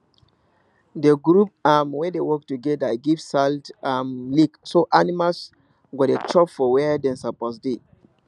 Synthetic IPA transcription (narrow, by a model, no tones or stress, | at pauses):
deɡɾup̚amwɛdewɔk̚tuɡɛdaɡivsaldamliksoʔanimals | ɡɔtet͡ʃʰɔpfɔwɛdɛ̃nsapɔsde